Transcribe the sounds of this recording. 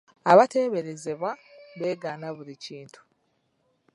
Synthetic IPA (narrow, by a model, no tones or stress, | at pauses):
aβate̞βe̞ɾe̞ze̞βwaβe̞ːɡaːnaβuɾiciːntʰu̥